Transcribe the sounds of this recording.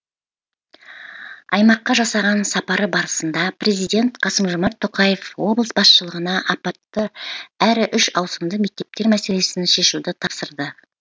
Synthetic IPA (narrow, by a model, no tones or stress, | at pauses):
ɑjmɑqːɑʒɑsɑʁɑnsɑpɑɾəbɑɾəsənd̪ɑpre̞zijd̪ʲe̞nt̪qʰɑsəmʒʊmɑɾt̪ʰːoqɑje̞fwo̞blˠəsbɑsʃəlˠəʁənɑʔɑpɑt̪ːəæɾɪʔʏʃɑwsəmd̪əme̞k̚t̪e̞p̚t̪e̞ɾmæse̞le̞sɪnʃe̞ʃud̪ɪt̪ʰɑpsəɾd̪ə